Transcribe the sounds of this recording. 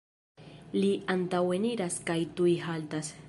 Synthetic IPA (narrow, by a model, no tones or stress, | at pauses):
liantaweniɾaskajtujɦaltas